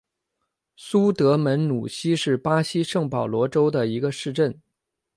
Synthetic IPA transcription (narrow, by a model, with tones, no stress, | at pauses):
su˥t̪ɤ˧˥mə˧˥nnu˨˩ɕi˥ʂɻ̩˥˩pa˥ɕi˥ʂɤ˥˩ŋpɑ˨˩ʊlwɔ˧˥ʈ͡ʂo˥ʊd̪ə˨i˧˥ɡə˧ʂɻ̩˥˧ʈ͡ʂə˥˩n